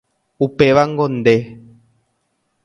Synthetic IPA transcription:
upeβaŋɡond̪e

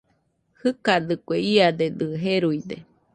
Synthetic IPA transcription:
hɨkad̪ɨkʷeiad̪ed̪ɨɦeɾujd̪e

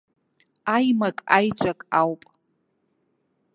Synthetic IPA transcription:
ajmakʼajʈ͡ʂʷʼakʼawpʼ

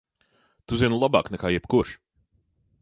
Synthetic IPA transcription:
t̪uzʲinulˠaba̰ːknɛkaːjɛbkuɾʃ

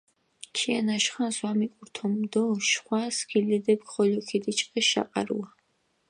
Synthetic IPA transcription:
t͡ʃʰianaʃχanswamikʼuɾt̪ʰɔmd̪ɔʃχwaskʰilɛd̪ɛb̚kχɔlɔkʰid̪it͡ʃʼqʼɛʃa̰qʼa̰ɾṵa

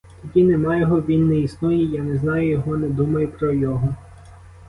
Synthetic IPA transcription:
t̪ɔdʲinemɑjɔɦɔʋʲinːɛisnɔjijanɛznɑjʊjɔɦɔnɛd̪umɐjʊpɾɔjɔɦɔ

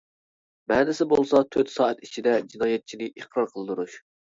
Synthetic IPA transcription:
bæːnɪsɪbolˠsɑt̪ʰøt̪sɑːɛt̪it͡ʃʰid̪ɛd͡ʒinɑːjɛt̪̚t͡ʃʰinɪʔiχqɾɑɾqʰəlˠd̪uɾuʃ

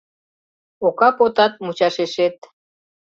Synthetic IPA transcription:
okɑpot̪ɑt̪̚mut͡ɕɑʃeʃet̪̚

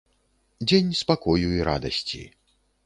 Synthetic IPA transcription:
d͡zʲenʲspakɔjuiɾa̰d̪ɐsʲt͡sʲḭ

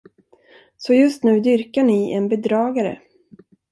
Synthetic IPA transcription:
sɔjɵst̪nʉ̟ːd̪ʏɾkaɳɪʔɛnbɛd̪ɾɑːɡaɾə̰

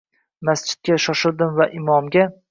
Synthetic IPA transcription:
mast͡ʃʰɪ̥t̪̚ɡʲaʃɒʃɪɾd̪ɪmvaʔɪmɒmɡʲa

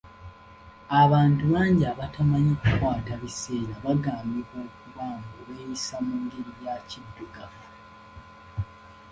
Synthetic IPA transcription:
aβaːntuβaːɲɟiaβatamaɲikukwaːtaβise̞ːɾaβaɡaːmbiβoːkuβaːmɡoβeːjisamuːŋɡeɾijacidːuɡaf

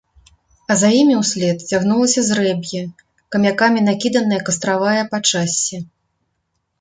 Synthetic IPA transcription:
ɐzajimʲiwsʲlʲɛt̪t͡sʲaɣnulˠɐsʲɐzrɛbʲjɐ | kɐmʲakamʲinakʲid̪ɐnɐjɐkɐst̪ɾavajɐpat͡ʂasʲːɛ

